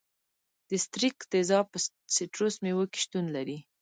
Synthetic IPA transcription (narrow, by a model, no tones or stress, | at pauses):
d̪̥əst̪ɾikd̪ezɑpə | siʈɾosmewoke̥ʃt̪unlaɾi